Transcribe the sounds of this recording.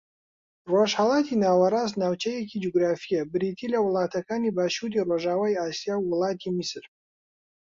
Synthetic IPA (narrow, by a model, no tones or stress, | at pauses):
roːʃhɐlˠaːt̪ʰinaːwɐɾaːstnaːwt͡ʃʰɐjɛkʰid͡ʒoɡɾaːfijɐbɨɾiːt̪ʰiːlɐwʊlˠaːt̪ʰɐkʰaːniːbaːʃuːɾiːroːʒaːwaːjaːsijaːwːʊlˠaːt̪ʰimisɨr